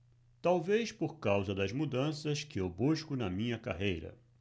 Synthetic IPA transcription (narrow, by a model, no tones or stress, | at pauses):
t̪awvespoɾkawzɐd̪ɐzmud̪ɐ̃sɐskɪewbuʃkʊnɐmĩɲɐka̰ɦejɾɐ̰